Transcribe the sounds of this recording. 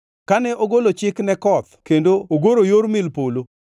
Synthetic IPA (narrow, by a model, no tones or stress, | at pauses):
kanɛʔoɡolot͡ʃɪknɛkɔt̪kendooɡoɾojoɾmɪlpolo